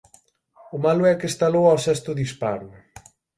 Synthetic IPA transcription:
ʊmalʊɛkest̪alowawsɛst̪ʊðispaɾʊ

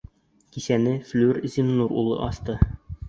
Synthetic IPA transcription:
kisænɘflʲʉɾzimnuɾṵlˠɤ̰ʔɒst̪ɤ

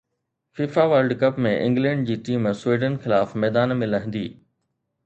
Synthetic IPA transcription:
fiːfaʋaːlɖkɐpmẽʔɪ̰̃ŋɡlɛ̃ːɳɖ̚d͡ʑiːʈiːmsweːɖənxɪlaːfmɛːd̪aːnmẽlɐɦɪ̃nd̪ḭː

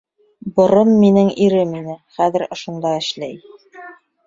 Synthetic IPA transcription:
bŏɾɤmːinɘŋiɾɘminɘχæðɘ̆ɾŏʃŏnd̪ɑɘ̆ʃlæj

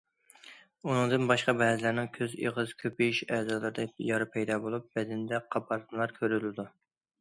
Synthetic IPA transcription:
unɨŋd̪ɨnbɑʃqɑbɛɦzlæɾnɪŋkʲʰøzḛʁɨz̥kʲʰøpiiʃɛːzɑlˠɨɾd̪ɛjɑɾɨpʰɛjd̪ɑːbolˠup̚bɛd̪ɪnd̪ɛqʰɑpʰɑɾt̪nlˠɑɾkʲʰøɾylɪd̪u

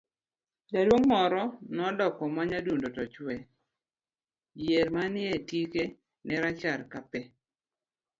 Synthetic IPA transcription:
dadwoŋmɔɾɔnɔdɔkɔmaɲadundotɔt͡ʃwɛ | jeɾmanɪetike | nɛɾat͡ʃaɾkapɛ

